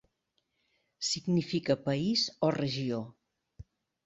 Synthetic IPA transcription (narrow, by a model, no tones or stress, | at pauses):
siɡnifikəpəizɔrəʒio